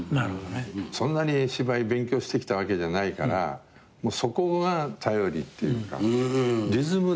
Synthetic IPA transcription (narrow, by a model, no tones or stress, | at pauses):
naɾhod̪osõ̞nːaɲ̟iɕibaibẽ̞ŋkʲo̞ːɕi̥t̪e̞kʲi̥t̪aβ̞ake̞d͡ʑanaikaɾa̰ | mo̞ːso̞ko̞ɡat̪ʰajo̞ɾʲḭt̪ːe̞jɯ̰ːka̰ɾʲizɨmɯ̟